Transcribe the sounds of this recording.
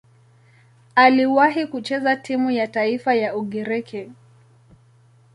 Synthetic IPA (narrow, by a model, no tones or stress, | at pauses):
aliwaɦikut͡ʃɛzatimujataifajauɠɛɾɛkʰɛ